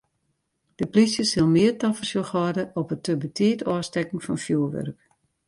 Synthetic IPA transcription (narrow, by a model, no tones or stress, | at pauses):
d̥əplisjəsɪlˠmɪərtafərsjoxɔdəʔɔpətəbətʰiətʰɔːstɛkŋ̩fɔnfjuəʋø̰rk